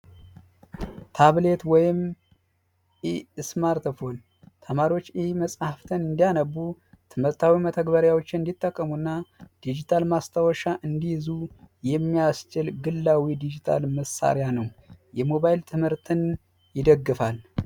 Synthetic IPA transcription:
t̪ʰaβle̞t̪wɔjɪm | ʔiɨsmaɾt̪fo̞n | t̪ʰəmaɾiwo̞t͡ʃːihməsʼhaft̪ʰənɨnd̪ijanəbːut̪ʰɨmhɨɾt̪ʰawimət̪ʰəɡbəɾjawot͡ʃːɪnɨnd̪it̪ʼːəkʼːəmunːad̪̥id͡ʒit̪ʰalmast̪ʰəwɔʃaʔɨnd̪ihzujɛmːijast͡ʃɪlɡɨlːawid̪id͡ʒit̪ʰa̰lməsa̰ɾjanəwjɛmo̞βajlt̪ʰɨmhɨɾt̪ʰɨn | jɪd̪əɡːɨfal

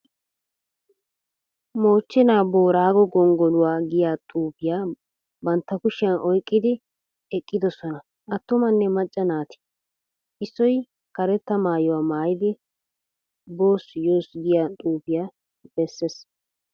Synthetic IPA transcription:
moːt͡ʃːɛnaːboːɾaːɡɔɡɔŋɡɔlʊwaːɡɪjaːt̪ʼuːbɪjaː | bɐnt̪ːɐkʊʃɪjɐnʔɔjkʼːɪd̪ɪ | ɛkʼːɪd̪ɔsɔnɐ | ʔɐt̪ːʊmɐnːɛmɐt͡ʃʼːɐnaːt̪ɪ̥ | ʔɪsːɔj | kɐɾɛt̪ːɐmaːjɔwaːmaːjɪd̪ɪ | bo̞ːsjoːsɡɪjaːt̪ʼuːbɪjaː | b̥ɛsːes

